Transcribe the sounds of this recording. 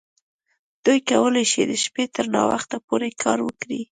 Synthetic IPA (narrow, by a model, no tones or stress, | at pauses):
d̪̥ujkawəlajʃid̪əʃpet̪əɾnɑ̰wa̰xt̪apoɾekʰɑɾwəkɽi